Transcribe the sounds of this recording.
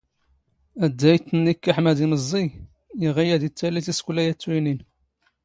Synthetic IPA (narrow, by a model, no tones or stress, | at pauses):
æd̪ːæjt̪ːənːikːaħmæd̪iməzˤːi | iʁijæd̪it͡sːælːiθiskʷlæjæt͡sːwinin